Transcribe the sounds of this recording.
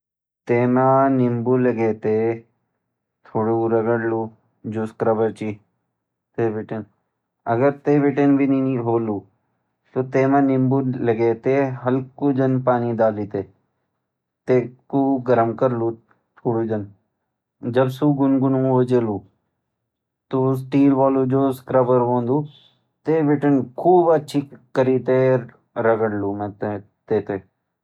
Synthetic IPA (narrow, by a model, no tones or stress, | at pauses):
t̪eːmãːnɪmbuləɡeːt̪eː | t̪ʰoːɽuɾəɡəɽluː | d͡ʒuskɾəbəɾt͡ʃiː | t̪eːbɪʈən | ɐɡəɾt̪eːʋɪʈenbʱiniɦoːluː | t̪ot̪eːmãːnɪmbuləɡeːt̪eɦɐlkuːd͡ʒənpaːnid̪aːlit̪eː | t̪eːkuːɡəɾəmkəɾlu | t͡ʃʰuːɽuːd͡ʒən | d͡ʒɐbsuːɡʊnɡʊnũʋod͡ʒeːluː | t̪oːs̬ʈiːlʋaːluːd͡ʒoːskɾəbəɾʋõːnd̪uː | t̪eːʋɪʈənkʰuːbətːʃʰikəɾiːt̪e | ɾəɡəɽluːmẽt̪ | t̪eːt̪eː